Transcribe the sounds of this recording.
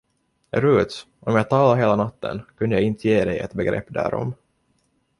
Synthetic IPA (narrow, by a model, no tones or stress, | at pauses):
ɾʉːt̪s | ʔɔmjɑːɡt̪ʰɑːlaɦeːlanat̪ːə̰nkʉnd̪əjɑɡɪnt̪əjeːd̪ɛjɛ̰t̪bɛɡɾɛ̰pːd̪æ̰ːɾɔ̰m